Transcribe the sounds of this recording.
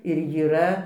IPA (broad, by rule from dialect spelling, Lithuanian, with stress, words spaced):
ɪr jiːˈrɐ